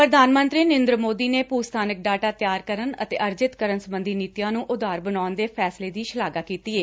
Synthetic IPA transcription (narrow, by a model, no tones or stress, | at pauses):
pɾəd̪ʱaːnmə̃nt̪ɾiːnɪ̃nd̪ɾəmoːd̪iːneːpuːst̪ʰaːnək̚ɖaːʈaːt̪jaːɾkəɾənə̰t̪eːʔəɾd͡ʒɪt̪kəɾənsəmbənd̪ʱiːniːt̪ijãːnũːʔʊd̪aːɾbənaːnd̪eːpʰɛːsleːd̪iːʃəlaːɡaːkiːt̪iːeː